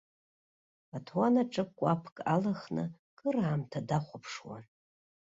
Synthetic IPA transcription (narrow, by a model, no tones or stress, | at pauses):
atʰwanaʈ͡ʂʼɨkʷʼapʰkʼa̰laχnɨ̰ | kʼɨraːmtʰadaχʷʊpʰʂwa̰n